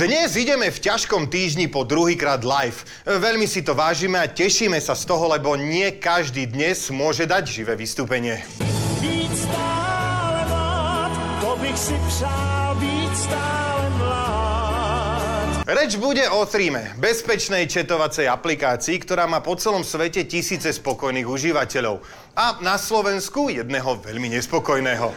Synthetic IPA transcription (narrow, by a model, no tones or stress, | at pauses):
d̪ɲɛziɟɛmɛfcaʃkɔmt̪iːʒɲipɔd̪ɾuɦiːkɾaːd̪lajf | ʋɛʎmisit̪ɔʋaːʒiːmɛacɛʃiːmɛsast̪ɔɦɔlɛbɔɲɪɛkaʒd̪iːd̪ɲɛzmʊɔʒɛd̪aɟʒiʋɛːʋist̪uːpɛɲɪɛ | bicst̪aːlɛmlat̪t̪ɔbixsipsalbicst̪aːlɛmla | t̪ɾɛd͡ʒbuɟɛʔɔθɾiːmɛbɛspɛt͡ʃnɛjt͡ʃɛt̪ɔʋat͡sɛjaplikaːt͡siːkt̪ɔɾaːmaːpɔt͡sɛlɔmsʋɛcɛcisiːt͡sɛspɔkɔjniːɣuʒiʋacɛʎɔʊ | anaslɔʋɛnskujɛd̪nɛɦɔʋɛʎmiɲɛspɔkɔjnɛːɦɔ